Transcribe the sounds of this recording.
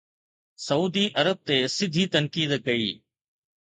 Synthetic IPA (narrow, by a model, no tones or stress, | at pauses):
sɐuːd̪iʔɐɾəb̚t̪esɪd̪ʱit̪ɐnkiːd̪kɐiː